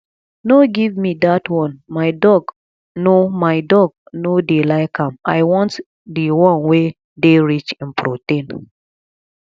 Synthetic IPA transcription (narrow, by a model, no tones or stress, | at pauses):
noɡivmidatwɔ̃nmaɪdɔɡ | nomaɪdɔɡ̚nodelaɪkãma̰ɪwɔ̃nt | diwɔ̃nwe | deɹit͡ʃĩnpʰɾotẽn